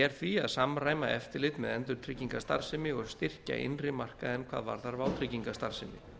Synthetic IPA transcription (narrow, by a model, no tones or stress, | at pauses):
ɛɾ̥θviaðsamraːjmaɛft̪ɪɾlɪt̪mɛðɛnt̪ʏɾ̥t̪ʰɾɪcːiŋkast̪a̰ɾ̥sɪmɪɔɣst̪ɪr̥ca̰ʔɪ̰nrɪmar̥kaðɛnkʰvaːðva̰ɾ̥θaɾvaːwt̪ʰɾɪciŋkast̪aɾ̥sɪmɪ̰